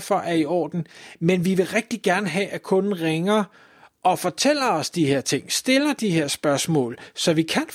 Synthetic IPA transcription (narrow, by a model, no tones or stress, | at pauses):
fɒ̽ʔæɐiɒ̰ːd̥n̩menʋiʋe̝ʁɛɡ̥̚d̥iɡ̥æɐnəɦɛʔækʰɔ̽n̩ʁeŋɐ | ʔɒ̽fɒ̽t͡sʰel̰ɐɒ̽sd̥ihe̝ɐ̰t͡sʰe̝ŋ̰sd̥e̝lɐd̥ihe̝ɐ̰sb̥ɶɐsmɔ̰̽ːlsɒ̽ʋikʰæn